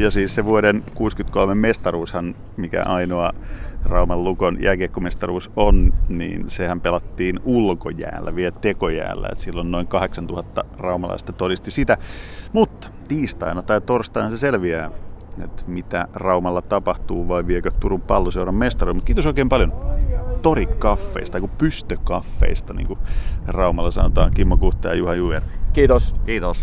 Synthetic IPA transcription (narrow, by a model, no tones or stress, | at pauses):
jɑsiːsseʋuoɾenkuːskyt̪kolmemmest̪ɑruːshɑn | mikæ̰ʔɑinoɑrɑumɑlːukonjʔæːkeːkːomest̪ɑruːsonnḭːnsehæmpelɑt̪ːiːnulko̰jæ̰ːlːæ̰ʋielt̪ekojæ̰ːlːæ̰ḛt̪silːonnoiŋkɑheksɑnt̪uhɑt̪ːɑrɑumɑlɑ̰ist̪ɑt̪odist̪isit̪æmut̪ːɑ̥t̪iːst̪ɑ̰inɑt̪ɑit̪orst̪ɑinɑnseselʋiæːḛt̪mit̪ærɑumɑlːɑt̪ɑpɑht̪uːʋɑiʋielkøt̪uɾumpɑlːoseuɾɑmmest̪ɑrilmut̪kiːt̪osoikeːmpɑljont̪orikkɑfːḛist̪ɑikupyst̪økɑfːḛist̪ɑnḭːŋkurɑumɑlːɑsɑ̰not̪ɑ̰ːŋkimːokuht̪ːɑjɑjuhɑjuʋerkiːt̪oskiːt̪os